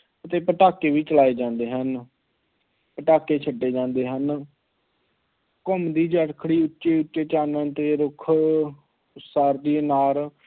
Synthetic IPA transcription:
ət̪eːpəʈaːkeːʋiːt͡ʃəlaːeːd͡ʒãːnd̪eːɦən | pəʈaːkeːt͡ʃʰəɖːeːd͡ʒãːnd̪eːɦən | kɔmd̪iːd͡ʒəɽkʰɽiːʊtːʃeːʊtːeːt͡ʃaːnəːnt̪eːɾʊkʰ | saːɾd̪iːnaːɾ

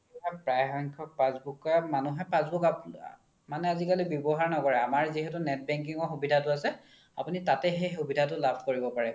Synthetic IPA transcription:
apɹajxɔŋkʰɔk̚pãsbukamanuɦɛpãsbuka | manɛazikalibjɔbɔɦaɹnɔkɔɹɛamaɹziɦɛtʊnɛt̚bɛŋkiŋɔxubidʱatʊasɛ | apunitatɛxejxubʱidʱatʊlabʱkoɹibɔpaɹɛ

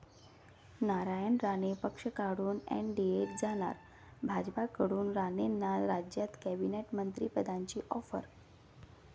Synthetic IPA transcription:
naɾajəɳɾanepəkʂəkaɽuːnɛ̰ɳɖieʈd͡zaɽ̃a̰ɾ | bʱad͡ʑpakəɽuːnɾanenːaɾad͡ʑjat̪kɛbineʈmənt̪ɾipəd̪ʱaɲt͡ɕiːʔɔfə̰ɾ

